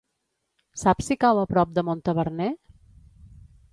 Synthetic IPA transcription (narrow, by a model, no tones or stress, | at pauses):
sapsikawəpɾɔp̚d̪əmont̪əβəɾne